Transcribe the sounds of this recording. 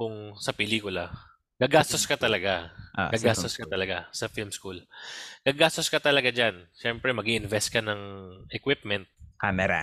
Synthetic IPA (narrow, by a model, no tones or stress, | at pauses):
kʊŋsɐpɛliːkʊlɐ | kɐɡaːst̪oskɐt̪ɐlɐɡaʔaɡaːst̪oskɐt̪ɐlɐɡasɐfilmskulkɐɡaːst̪oskɐt̪ɐlɐɡad͡ʒanʃɛmpɾɛmɐɡiʔɪnvɛst̪̚kɐnɐŋʔɛkwɪp̚mɛnt̪̚kamɛɾa̰